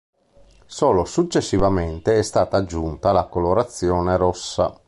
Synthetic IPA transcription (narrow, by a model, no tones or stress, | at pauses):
soːlosut͡ʃːesːivament̪eɛst̪aːt̪aːd͡ʒːunt̪alakoloɾat̪sːjɔːneɾɔsːa̰